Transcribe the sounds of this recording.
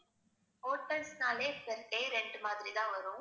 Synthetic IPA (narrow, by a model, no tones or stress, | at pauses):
oːʈːɐlsnaːleːkɛɾkeːɾɛɳɖɯmaːðɪɾit̪ãːʋɐɾʊ̃